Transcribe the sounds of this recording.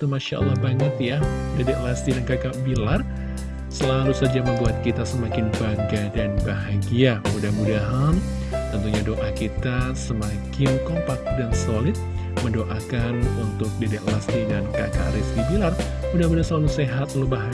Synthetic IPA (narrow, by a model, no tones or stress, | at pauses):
t̪umaʃa̰ʔa̰lːahbaŋət̪̚ja | dedɛʔlast̪idankakaʔbilar | səlalusad͡ʒaməmbuat̪̚kit̪asəmakɪnbaɡadanbaɦaɡiamudahmudaɦan | t̪ənt̪uɲadoʔakit̪asəmakɪnkompak̚dansolɪt̪̚ | məndoʔakanunt̪ʊk̚dedɛklast̪idanka̰ka̰ʔɾiskibilar | mudahmudahsəlaluseɦat̪lubaɦ